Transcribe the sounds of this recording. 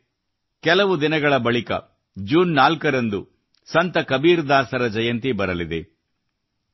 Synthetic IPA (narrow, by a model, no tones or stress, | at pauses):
kɛlɐʋud̪inɐɡɐɭɐbɐɭikɐ̰ | d͡ʒuːnːaːlkɐɾɐnd̪u | sɐnt̪ɐkɐbiːɾd̪aːsɐɾɐd͡ʒɐjɐnt̪ibɐɾɐlid̪e